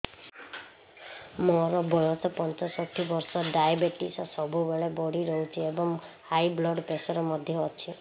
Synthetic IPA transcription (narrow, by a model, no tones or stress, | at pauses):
mɔɾɔbɔjɔsɔpɔnt͡ʃɔsɔk̚t̪ʰibɔɾsɔɖajabeʈisɔsɔbubeɭebɔɽiɾɔɦut͡ʃʰiebɔŋhajblɔɖpesɔɾɔmɔd̪ʱjɔːt͡ʃʰi